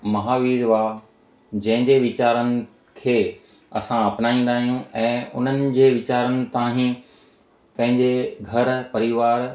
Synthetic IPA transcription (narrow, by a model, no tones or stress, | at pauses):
mɐɦaːʋiːɽʋaː | d͡ʑɐ̃ɦɪ̃ɲd͡ʑeʋɪt͡ɕaːɾənɪ̆ | kʰeː | ɐ̰sãɐpnaːĩːn̆d̪aːɦijũɛ̃ːʊ̰n̤ənɪ̆d͡ʑeːʋɪt͡ɕaːɾənɪ̆t̪ãːɦĩ | pɐ̃ɦɪ̃ɲd͡ʑeɡʱɐɾpɐɾɪʋaːɾ